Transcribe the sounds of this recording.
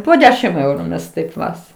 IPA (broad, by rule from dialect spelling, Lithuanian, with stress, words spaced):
poː ˈdʲæːʃʲɪm ˈɛʊrʊ ˈmʲɛs ˈtɐɪp ˈʋɐs